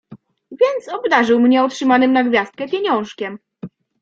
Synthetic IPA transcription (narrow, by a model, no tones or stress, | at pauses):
vʲjɛnt̪sɔbd̪aʐɘwmɲɛɔtʂɘmanɘmnaɡvʲjast̪̚kɛpʲjeɲɔ̃w̃ʂkʲɛm